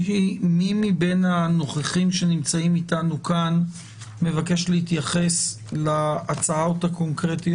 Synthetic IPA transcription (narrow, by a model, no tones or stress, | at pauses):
ɦimimibe̞nano̞χaχimʃe̞nimt͡saimitanukan | me̞vake̞ʃlehit̪jaχe̞s | laːt͡saotako̞nkʁeti